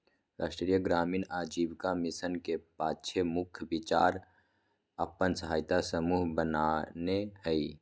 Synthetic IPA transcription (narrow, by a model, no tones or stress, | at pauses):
ɾaːsʈɾijəɡɾaːmiːnaːd͡ʒibkamisənkepaːtːʃʰemʊkʰbit͡ʃaːɾ | əpːənsəɦaːɪt̪asəmuːɦbənanehəi